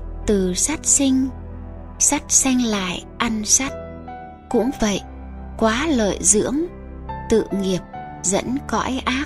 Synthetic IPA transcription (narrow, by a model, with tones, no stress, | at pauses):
t̪ɨ˨˩sa˦˥t̚sï˧ŋ̟ | sa˦˥t̚sɛ˧jŋ̟la̰ː˧˨jʔa˧nsa˦˥t̚ | kʊ̰˧˥ŋ͡mvə̰˧˨j | kwaː˨˦lə̰ː˧˨jzɨ̰˧˥əm | t̪ɨ̰˧˨ŋi˨˩əp̚ | zə̰˧˥nkɔ̰˧˥jʔaː˦˥